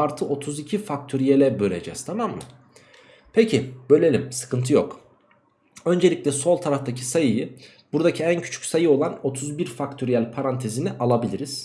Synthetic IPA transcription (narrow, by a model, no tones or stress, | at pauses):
aɾt̪ʰɯʔo̞t̪ʰuzicʰifak̚t̪ʰyɾijelʲɛbø̞ɾʲe̞d͡ʒɛ̰z̥t̪ʰamamːɯ | pʰecʰib̥ø̞lʲelʲimsɯ̥kʰɯnt̪ʰɯjo̞k | ø̞nd͡ʒe̞lʲicʲlʲɛso̞lˠt̪ʰaɾaft̪ʰacʰi̥sajɯjɯ | buɾd̪acʰiæncʰy̥t͡ʃʰy̥csajɯo̞lˠano̞t̪ʰuzbiɾfakt̪ʰøɾijælʲpʰaɾant̪ʰe̞ziniʔalˠabilʲiɾiz̥